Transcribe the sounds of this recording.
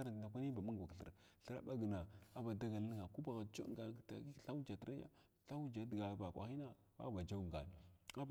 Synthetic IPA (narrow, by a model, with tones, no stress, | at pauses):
a˦ɾa˨na˨kʷa˦ni˦ba˨mu˦˨ɡa˨kɬə̰˨ɾɬə˦ɾa̰˦ba˦ɡə˨na˨a˦ba˨da˦ɡa˨lə˦ŋa˨ku˦ba˨ɣa˨d͡ʒo̰˦ɡa˨˦˨ta̰˨i˦ɬa˦wu˦d͡ʒa˨tə˦ɾa˦ja̰˦ | ɬa˦wd͡ʒa˨˦di˨ɡa˨ba˨kʷa̰˨xi˦na˦ | ba̰˦˨ba˨d͡ʒa˦wŋ˨ɡa̰˨n˨a˦